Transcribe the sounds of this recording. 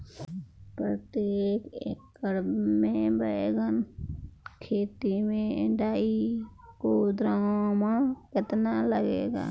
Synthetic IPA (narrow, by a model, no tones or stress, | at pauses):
pɾət̪jeːkḛk | əɾbmẽbəeɡən | kʰeːt̪imẽɪ̰ɖaːikod̪ɾaomãkɪt̪naləɡḛːɡa̰ː